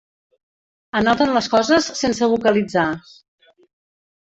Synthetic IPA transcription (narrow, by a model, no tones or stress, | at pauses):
ənɔt̪ənləskɔzəsːensəβukəlid͡za